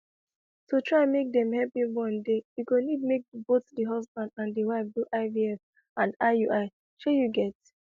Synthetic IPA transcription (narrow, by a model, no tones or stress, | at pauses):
tutʰɹaɪãnmek̚dɛ̃mhɛpĩwɔ̃ndejukonid̚mek̚botdəɦɔsbãndãndiwaɪfduʔaɪviɛf | ãndaɪuʔaɪ | ʃojuɡɛt